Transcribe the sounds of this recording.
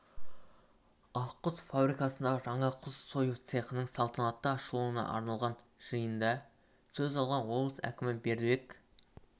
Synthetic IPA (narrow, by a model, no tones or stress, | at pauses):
ɑqːʊzfabɾijkɑsənd̪ɑʒɑɴɑqʰʊzso̞jəft̪se̞qənəɴsɑlˠt̪ʰɑnɑt̪ːəɑʃlˠuənɑ̰ʔɑ̰ɾnɑlˠʁɑnʒ̥əjənd̪ɑ | sɵzɑlˠʁɑnwo̞blˠəsæ̰kʲɪmɪbe̞ɾd̪wek